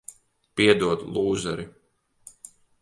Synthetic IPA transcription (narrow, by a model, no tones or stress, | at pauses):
piɛd̪uɔd̪lˠuːzɛɾi